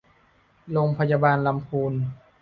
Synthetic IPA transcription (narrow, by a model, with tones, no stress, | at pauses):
loː˧ŋpʰa˧jaː˧baː˧nla˧mpʰuː˧n